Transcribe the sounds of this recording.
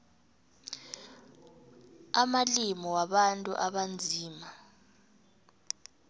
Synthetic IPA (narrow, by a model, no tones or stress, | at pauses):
amalimɔwaɓantʼṵʔaɓand͡zʱiːma